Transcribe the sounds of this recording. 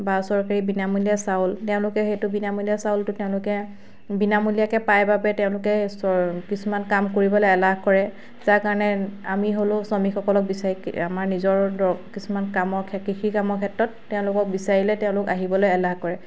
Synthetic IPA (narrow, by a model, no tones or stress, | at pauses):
basɔɹkaɹibinamulijasaʊltɛʊ̃lʊkɛxejtʊbinamulijasaʊltʊtɛʊ̃lʊkɛ | binamulijakɛpajbabɛtɛʊ̃lʊkɛsɔkisumankamkoɹibɔlojɛlaɦkɔɹɛ | zakaɹɔnɛamiɦolʊ̃sɔmixʰɔkɔlɔk̚bisaɹika̰maɹnizɔɹdɔkisumankamɔɹkʰɛkixʰikamɔɹkʰɛtɹɔtːɛʊ̃lʊkɔk̚bisaɹilɛtɛʊ̃lʊkaɦibɔlojɛlahkɔɹɛ